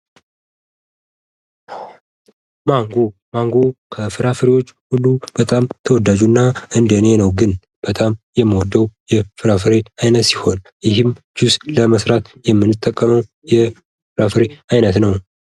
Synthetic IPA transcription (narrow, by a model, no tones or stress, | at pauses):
maŋɡomaŋɡokʰəfɨɾafɨɾewo̞t͡ʃːhulːub̥ət̪ʼamt̪ʰəwɔd̪ːad͡ʒunːaɨnd̪əne̞nəwɡɨn | b̥ət̪ʼamjɛmːəwɔd̪ːəwjɛfɨɾafɨɾeajnət̪siho̞n | jɪɦɨmd͡ʒusləməsɾat̪jɛmːɨnːɨt̪ʼːəkʼːəməw | jɛ | fɨɾafɨɾeajnət̪nəw